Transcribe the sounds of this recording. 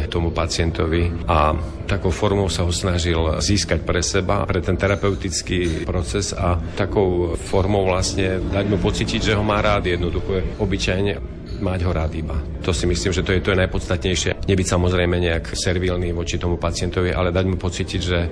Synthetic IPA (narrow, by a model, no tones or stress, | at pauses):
t̪ɔmupat͡sɪɛnt̪ɔʋia | t̪akɔʊfɔɾmɔʊsaɦɔsnaʒilziːskacpɾɛsɛba̰pɾɛt̪ɛnt̪ɛɾapɛʊt̪it͡skiːpɾɔt͡sɛzat̪akɔʊfɔɾmɔʊʋlasɲɛd̪aɟmupɔt͡siːciɟʒɛɦɔmaːɾaːd̪jɛd̪nɔd̪uxɔɛɔbit͡ʃajɲɛ | maɟɦɔɾaːd̪iba | t̪ɔsimisliːmʒɛt̪ɔjɛt̪ɔɛnajpɔt̪t͡st̪at̪ɲɛjʃɪɛ̰ɲɛbicsamɔzɾɛjmɛɲɛaksɛɾʋilniʋɔt͡ʃit̪ɔmupat͡sɪɛnt̪ɔʋiʔa̰lɛd̪aɟmupɔt͡siciɟʒɛ